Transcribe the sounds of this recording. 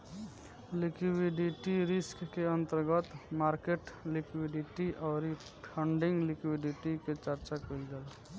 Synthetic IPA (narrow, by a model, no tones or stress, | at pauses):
likwiɖiʈiɾɪskːeənt̪əɾɡət̪maɾkeʈlikwiɖiʈiʔɔːɾi | pʰəɳɖiŋɡlikwiɖiʈiket͡ʃəɾt͡ʃakoilɡel